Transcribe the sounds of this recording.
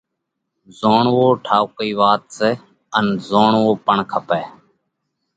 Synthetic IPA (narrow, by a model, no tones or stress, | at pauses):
zoːɳʋoːʈʰaːwkiːʋaːt̪seː | ənzoːɳʋoːpəɳkʰəpɛː